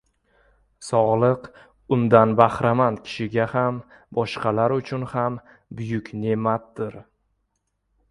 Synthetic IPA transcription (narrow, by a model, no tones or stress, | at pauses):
sɒʁlˠɨq | ʊnd̪anbahɾamand̪kʲʰɪ̥ʃɪɡʲaham | bɒʃqʰɑlaɾʊt͡ʃʰʊnham | bʊjʊkʲne̞mat̪̚d̪̥ɪɾ